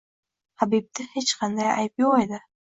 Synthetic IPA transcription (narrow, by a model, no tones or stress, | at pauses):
habib̚d̪ɪhet͡ʃqʰɑnd̪aja̰jp̚joʁed̪ɪ